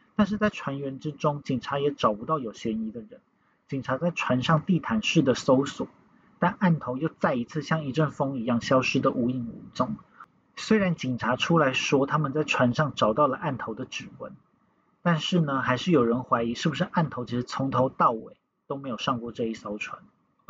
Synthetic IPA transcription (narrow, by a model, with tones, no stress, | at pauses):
t̪a˥˧nʂɻ̩˥˧t͡sa˥˩ɪʈ͡ʂʰwa˧˥nɥɛ˧˥nʈ͡ʂɻ̩˥ʈ͡ʂʊ˥ŋt͡ɕi˨˩ŋʈ͡ʂʰa˧˥jɛ˧˥ʈ͡ʂɑ˨˩ʊpu˧˦t̪ɑ˥˩ʊjo˨˩ʊɕɥɛ˧˥ni˧˥d̪ə˨ɻə˧˦n | t͡ɕi˨˩ŋʈ͡ʂʰa˧˥t͡sa˥˩ɪʈ͡ʂʰwa˧˥nʂɑ˥˧ŋt̪i˥˩t̪ʰa˧˥nʂɻ̩˥˩d̪ə˩so˥ʊswɔ̰˨˩˦ | t̪a˥˧na˥˩nt̪ʰo˧˥ʊjo˥˧ʊt͡sa˥˩ɪi˧˥t͡sʰɹ̩˥˧ɕjɑ˥˩ŋi˧˥ʈ͡ʂə˥˩nfɤ˥ŋi˧˥jɑ˥˩ŋɕjɑ˥ʊʂɻ̩˥d̪ə˨ʔu˧˥i˥˩ŋṵ˧˥t͡sʊ˥˩ŋ | swe˥ɪɻa˧˥nt͡ɕi˨˩ŋʈ͡ʂʰa˧˥ʈ͡ʂʰu˥la˧˥ɪʂwɔ˥t̪ʰa˥mə˨nt͡sa˥˩ɪʈ͡ʂʰwa˧˥nʂɑ˥˩ŋʈ͡ʂɑ˨˩ʊt̪ɑ˥˩ʊlə˩ʔa˥˩nt̪ʰo˧˥ʊd̪ə˧ʈ͡ʂɻ̩˨˩wə̰˧˦n | t̪a˥˧nʂɻ̩˥˩nə˩xa˧˥ɪʂɻ̩˥˩jo˨˩ʊɻə˧˦˥nxwa˧˥ɪi˧˥ʂɻ̩˥˩bu˩ʂɻ̩˥˧ʔa˥˩nt̪ʰo˧˥t͡ɕʰi˧˥ʂɻ̩˧˥t͡sʰʊ˧˥ŋt̪ʰo˧˥ʊt̪ɑ˥˩ʊwḛ˨˩ɪ | t̪o˥ʊme˧˥jo˨˩ʊʂɑ˥˧ŋkwɔ˥˧ʈ͡ʂɤ˥˧i˥˩sɑ˧˥ʊʈ͡ʂʰwa̰˧˦n